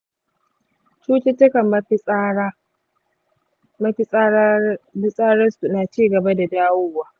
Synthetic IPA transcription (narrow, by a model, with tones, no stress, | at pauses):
t͡ʃuː˦t͡ʃɪ˦tʊ˦kɐ˨mːɐ˦ɸi˦a˦ | mɐ˦ɸi˦sa˦bɪ˦sʼaː˦ɾɐ˦su˨naː˨t͡ʃiː˦˨ɡɐ˨ba˦da˨daː˦wʊː˦waː˦